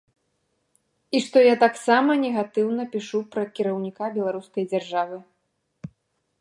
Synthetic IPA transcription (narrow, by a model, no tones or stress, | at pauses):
iʂt̪ɔjat̪aksamɐnʲɛɣat̪ɨwnɐpʲiʂupɾɐkʲiɾɐwnʲikabʲɛlˠaɾuskɐjd͡zʲarʐavɨ